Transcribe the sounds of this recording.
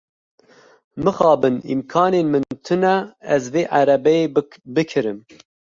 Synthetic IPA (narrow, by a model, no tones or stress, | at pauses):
mɨxɑːbɨnḭmkʰɑːneːnmɨnt̪ʰɨnɛɛzveːʔaɾɛbɛeːbɨkʰɨɾɨm